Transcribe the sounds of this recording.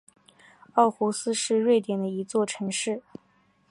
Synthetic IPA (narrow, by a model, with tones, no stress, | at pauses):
ɑ˥˩ʊxu˧˥sɹ̩˥ʂɻ̩˥˧ɻwe˥˩ɪt̪jɛ˨˩nd̪ə˦i˧˥t͡swɔ˥˩ʈ͡ʂʰɤ˧˥ŋʂɻ̩˥˩